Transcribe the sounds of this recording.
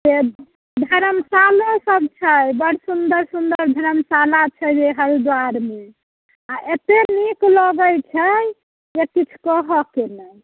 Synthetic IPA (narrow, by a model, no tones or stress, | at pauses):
d͡ʒe | d̪ʱəɾəmsalosəb̚t͡ʃʰəjbəɽ̤sund̪əɾsund̪əɾd̪ʱəɾəmsalat͡ʃʰɛd͡ʒeɦəɾid̪waɾme | aʔet̪eniklɔɡəjt͡ʃʰɛ | jekit͡ʃʰkɔɦɔkenəj